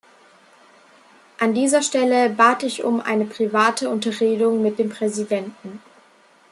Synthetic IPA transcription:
ʔandiːzɐʃtɛləbaːtɪçʊ̰mʔa̰ɪnəpʁ̥ivaːtʰəʊntɐʁeːdʊŋmɪt̚d̥eːmpʁ̥ɛzidɛntn̩

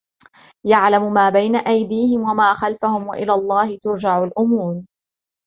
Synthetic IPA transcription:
jaʕlamʊmaːbajnaʔajd̪iːhɪmwamaːxalfahʊmwa̰ʔɪlaːlˤːɑːhɪt̪ʊɾd͡ʒaʕʊlʔʊmuːɾ

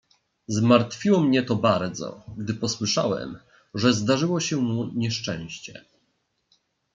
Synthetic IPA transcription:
zmaɾt̪fʲiwɔmɲɛt̪ɔbaɾd̪zɔ̰ɡd̪ɘpɔswɘʂawɛ̰m | ʐɛzd̪aʐɘwɔɕɛmuɲɛʂt͡ʂɛ̃w̃ɕt͡ɕɛ̰

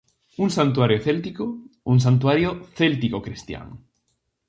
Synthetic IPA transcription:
uŋsant̪uaɾjoθelt̪ikouŋs̬ant̪̬uaɾjoθelt̪ikokɾist̪ja̰ŋ

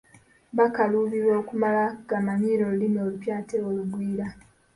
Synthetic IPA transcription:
βakaluβiβo̞ːkumalaɡamaɲiːɾo̞lulimolupjaːteoluɡwiːɾa

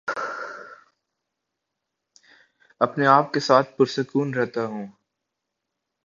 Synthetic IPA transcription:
ɐpneaːp̚kesaːt̪̚ʰpʊɾsʊkuːnɾɛɦt̪aɦũː

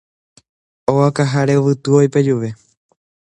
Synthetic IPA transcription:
oakaɦaɾeʋɨt̪uojped͡ʒuʋe̞

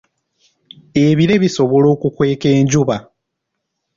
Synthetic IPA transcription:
e̞βiɾe̞βiso̞βo̞lo̞ːkukwe̞ːke̞ːɲɟuβa

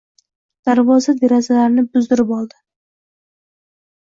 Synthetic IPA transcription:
d̪̥aɾvɒzad̪e̞ɾazalaɾnɪbʊzd̪ɪɾɪpɒlˠd̪ɪ

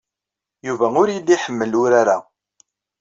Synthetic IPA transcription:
juvæʊɾjidiħəmːəlʊɾaɾa

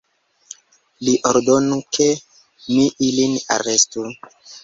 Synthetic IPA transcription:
liʔoɾdonukʰe | miʔilina̰ɾestu

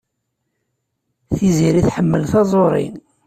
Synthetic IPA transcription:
θiziɾiθħəmːəlθɑzˤoɾˤḭn

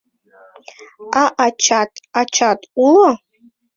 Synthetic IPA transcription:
aʔat͡ʃʰatʼat͡ʃʰatʼulo

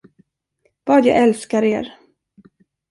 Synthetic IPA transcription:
v̥ɑːd̪jɑ̰ːʔɛlskaɾeːɾ

